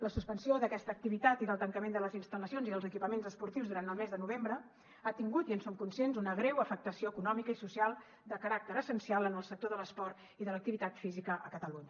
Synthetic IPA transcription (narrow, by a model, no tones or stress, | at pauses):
ləsuspənsioðəkɛst̪əːk̚t̪iβit̪at̪iðəlˠt̪əŋkəmend̪ələzinst̪ələsionziðəlˠzəkipəmenzəspuɾt̪iwzðuɾant̪əlˠmezðənuβ̞embɾə | at̪iŋɡut̪iənsoŋkunsjenzunəɣɾɛwəfək̚t̪əsioəkunɔmikəisusialˠ | d̪əkəɾak̚t̪əɾəsənsialˠənəlˠsək̚t̪oðələspɔrt̪ | iðələk̚t̪iβit̪at̪fizikəʔəkət̪əluɲə